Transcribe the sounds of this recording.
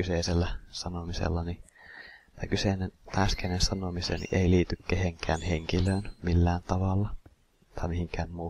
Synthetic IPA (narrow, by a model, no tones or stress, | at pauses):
kyseˑiselːæsɑnomisḛlːɑni | t̪ɑkyseˑnent̪æˑskænensɑnomisḛːnḭʔeiliːt̪ykkeheŋkʰæ̰ːnheŋkiløːnmilːæːnt̪ɑʋɑlːɑ | t̪ɑˑimihiŋkæːnmuː